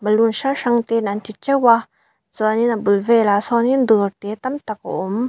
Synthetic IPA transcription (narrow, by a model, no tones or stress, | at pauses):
balunʃaʂaŋt̪enantit͡ʃewa | zɔaninabulvelasɔnind̪ɯɾt̪et̪amt̪akɔ̰ʔom